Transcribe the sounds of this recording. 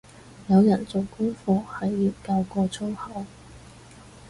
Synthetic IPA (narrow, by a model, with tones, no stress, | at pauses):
jɐ˨˧wjɐ˨˩nt͡so˨wkʊ˥ŋfɔː˧hɐ˨jːiː˧wkaː˧wkɔː˧t͡sʰo˥whɐ˨˥w